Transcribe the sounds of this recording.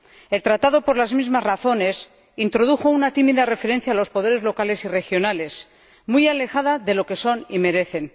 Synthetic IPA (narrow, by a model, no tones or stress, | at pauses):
e̞lt̪ɾat̪aðo̞poɾlazmizmazraθo̞ne̞s | int̪ɾo̞ðuxo̞unat̪imiðare̞fe̞ɾe̞n̟θjaːlo̞spo̞ð̞e̞ɾe̞zlo̞kale̞sire̞xjo̞nale̞s | mujale̞xaðaðe̞lo̞ke̞so̞nime̞ɾe̞θe̞n